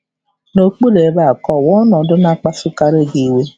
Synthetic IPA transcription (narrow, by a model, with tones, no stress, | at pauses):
no˨k͡po˦de˨˦ba˦˨kɔ˦˨wɔ˦nɔ˨dʊ˦na˦˨k͡pa˦sʊ˦ka˨ɾe˦˨ɡe˨we˦